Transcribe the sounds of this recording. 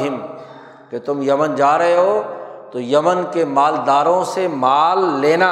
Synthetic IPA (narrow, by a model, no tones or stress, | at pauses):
ɦɪm | ket̪ʊmjɐmənd͡ʒaːɾɐɦeɦoːt̪ojɐmənkemaːld̪aːɾõsemaːlːeːna